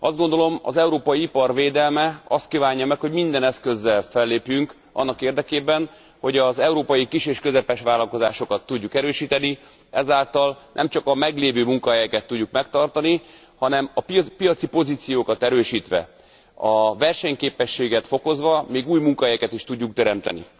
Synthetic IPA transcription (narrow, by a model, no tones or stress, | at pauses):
ɒzd̪ɡond̪o̞lo̞mɒ̰zɛuɾoːpɒjiipɒrveːd̪ɛlmɛɒst̪kiːvaːɲːɒmɛkho̞ɟmind̪ɛnɛskø̞zːɛlfɛlːeːpjyŋk | ɒ̰nːɒkeːrd̪ɛkeːbɛn | ho̞ɟɒzɛuɾoːpɒjikiʃeːʃkøzɛpɛʃʋaːlɒlko̞zaːʃo̞kɒt̪ːuɟːukɛɾøːʃiːt̪ɛni | ɛzaːlt̪ɒlnʔɛ̰mt͡ʃɒkɒmɛɡleːvøːmuŋkɒɦɛjɛkɛt̪ːuɟːukmɛk̚t̪ɒrt̪ɒni | hɒnɛmɒppijɒt̪sipo̞ziːt̪sijoːkɒt̪ɛɾøːʃiːt̪ʋɛ̰ | ɒvɛrʃɛɲkeːpɛʃːeːɡɛt̪fo̞ko̞zʋɒmeːɡuːjmuŋkɒɦɛjɛkɛt̪iʃt̪uɟːukt̪ɛɾɛmt̪ɛ̰nḭ